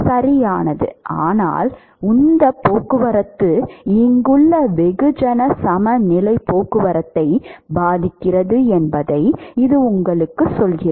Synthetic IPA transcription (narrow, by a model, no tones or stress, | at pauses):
sɐɾɪjaːnɐðɯ̰ʔaːna̰ːl | ʊnd̪ɐpːoːkːɯʋɐɾɐt̪ːɯɪŋɡɯɭːɐʋɛɣɯd͡ʒɐnɐsɐmɐnɪlɐɪpːoːkːɯʋɐɾɐt̪ːɐɪbaːðɪkːɪrɐðɯɛnbɐðɐɪɪðɯʊŋɡɐɭɯkːɯsɔlɣɪrɐ